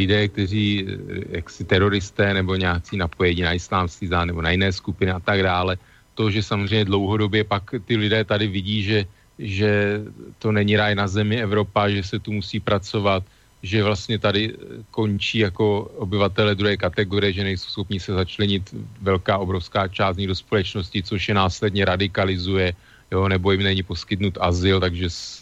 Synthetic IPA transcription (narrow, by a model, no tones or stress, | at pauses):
lɪdɛːk̚t̪ɛr̝iːjaksɪt̪ɛɾo̞ɾɪst̪ɛːnɛbo̞ɲaːt͡siːnapo̞jɛɲiːnaɪslaːmskizanɛbo̞najɪnɛːskupɪnɪat̪aɡdaːlɛ | t̪o̞ʒɛsamozrɛjɲɛdlo̞wɦo̞do̞bjɛpakt̪ɪlɪdɛːt̪adɪvɪɟiːʒɛ | ʒɛt̪o̞nɛɲɪɾaːjnazɛmɪɛvɾo̞paʒɛsɛt̪umusiːpɾat͡so̞vat̪̚ | ʒɛvlast̪ɲɛt̪adɪko̞nt͡ʃiːjako̞obɪvat̪ɛlɛdɾuɦɛːkat̪ɛɡoɾɪjɛʒɛnɛjsowsxopnɪsɛzat͡ʃlɛɲɪt̪vɛlkaːʔo̞bɾo̞fskaːt͡ʃaːst̪ɲɪdo̞spo̞lɛt͡ʃno̞scɪt͡soʃjɛnaːslɛdɲɛɾadɪkalɪzujɛ | jonɛbo̞jɪmnɛɲɪpo̞skɪt̪nut̪ʔazɪlt̪aɡʒɛs